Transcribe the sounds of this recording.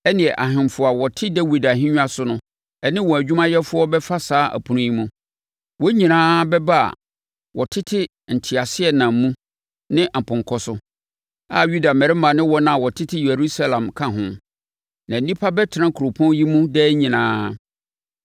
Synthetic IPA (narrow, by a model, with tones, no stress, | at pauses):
ɛ˦nɪ̃˨ɛ˨ʔa˨ɦɪ̃˨m˨fʊ˨a˨wɔ˨tʰɪ˦dɛ˦wi˨da˨ɦɪ̃˦ɲᶣũ˦a˦sʊ˦nʊ̃˦ | ɛ˦nɪ̃˦wɔ̃˨æ˨d͡ʑᶣu˦mã˦jɛ˦fʊ˦ɔ˦bɛ˦fa˦saː˦ʔæ̰˨pʰũ˨nũ˦ji˦mũ˦ | wɔ˦ɲĩ˨nãː˦bɛ˦ba˦a̰˨ | wɔ˨tʰɪ˦tʰɪ˦ | n̩˨tʰi˨a˨sɪ˦ɛ˨nã˨m˦mũ˦ | nɪ̃˦ʔm̩˨pʰʊ̃˨ŋ˨kʰɔ˨sʊ˦ | a˦ju˦da˨mɛ̃˨ɾɪ˦mã˨nɪ̃˦wɔ˦nã˦a˨wɔ˨tʰɪ˦tʰɪ˦je˨ɾu˦sa˦lã˨mkʰã˦ɦʊ̃˦ | nã˨n˦nĩ˦pʰa˦bɛ˦tʰɪ˨nã˦kʰu˨ɾo˨pʰɔ̃˦nji˦mũ˦dɛ˦ɲĩ˨nãː˦